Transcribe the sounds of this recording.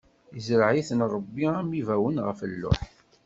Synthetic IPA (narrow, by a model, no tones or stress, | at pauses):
izɾʕiθənɾˤəbːiæmivæwənʁəfəlːʊ̰ħ